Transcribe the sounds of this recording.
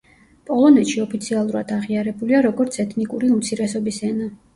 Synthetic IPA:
pʼɔlˠɔnɛt̪ʃiɔpʰit̪sʰialˠuɾa̰d̪aʁiaɾɛbuliaɾɔɡɔɾt̪sʰɛt̪ʰnikʼuɾiumt̪sʰiɾɛsɔbisɛna

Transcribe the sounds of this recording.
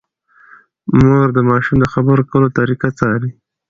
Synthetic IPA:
moɾd̪əmɑʃumd̪əxabəɾokəlot̪aɾikat͡sɑɾi

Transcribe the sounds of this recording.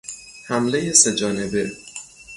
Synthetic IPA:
hæmle̞jesed͡ʒɒːne̞be̞

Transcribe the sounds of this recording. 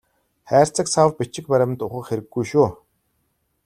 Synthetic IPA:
χæːr̥ʲt͡sə̆ksawpit͡ɕɪ̆k̚pæɾʲɪ̆ɘ̆nt̪ʊχə̆kxeɾɘ̆ɡːujʃuː

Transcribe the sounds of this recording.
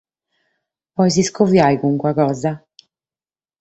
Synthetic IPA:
pɔjziskovjajɣuŋkwaɣɔːza

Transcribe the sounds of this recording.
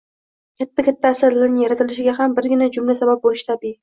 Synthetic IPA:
kʲʰat̪ʰːakʲʰat̪ʰːaːsaɾlaɾnɪŋjaɾat̪ʰɪlɪʃɪɡʲaɦambɪɾɡʲɪnad͡ʒʊmlasabap̚bolɪʃt̪ʰabiɪ

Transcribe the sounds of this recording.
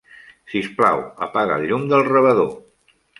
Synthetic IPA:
sisplawə̰paɣə̰ʎːumd̪əlˠrəβəðo

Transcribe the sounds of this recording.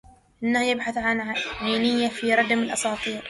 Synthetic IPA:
ʔɪnːahjɪbħaθʕanʕaːnɪjːafiɾˤɑd̪mɪlʔɑsˤɑːt̪ˤiːɾ

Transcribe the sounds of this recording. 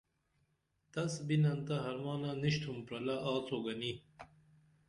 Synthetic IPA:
t̪ɐsbinɐnt̪ɐɦɐɾmaːnaniɕt̪ʰumpɾɐlaʔaːt͡sʰoːɡɐni

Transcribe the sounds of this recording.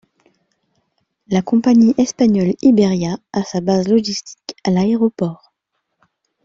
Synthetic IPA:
lakɔ̃paɲiʔɛspaɲɔlibeʁjaːsabazlɔʒist̪ʰi̥kalaeʁɔpɔʁ

